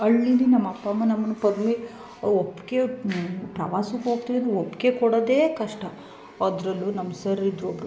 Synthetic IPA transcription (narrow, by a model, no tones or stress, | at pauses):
ɐɭːininɐmːɐpːɐmːɐnɐmːɐnːupɐd̪me | opːkepɾɐʋaːsukɦoːɡ̚t̪iʋiɐnd̪ɾeopːkekɔɽod̪eːkɐʂʈɐ | ɐd̪ɾɐlːunɐmːɐsɐɾid̪ɾobɾu